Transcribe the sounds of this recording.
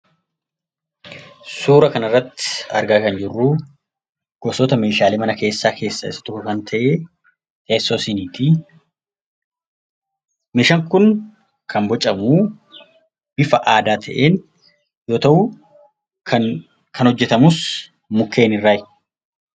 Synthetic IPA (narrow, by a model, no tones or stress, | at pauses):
suːɾɐkɐnɐrːɐt̪ːɪ̥ɐ̰ɾɡaːkɐnd͡ʒɪrːu | ɡ̥ɔsɔt̪ɐmeːʃaːlemɐnɐke̞ːsːaːkʰe̞ːsːaɪ̰sːɐ̥t̪ʊkːʊkɐnt̪ʰɐʔe | t̪ʰeːsːoːsɪniːt̪i | mɪʃɐŋkʊn | kʰɐnbɔt͡ʃʼɐmuː | b̥ɪfɐʔaːd̪aːt̪ʰɐʔeːn | jo̞ːt̪ɐʔuː | ɐ | kʰɐnhɔd͡ʒːɛt̪ɐmʊs | mʊkːe̞ːnɪrːaːj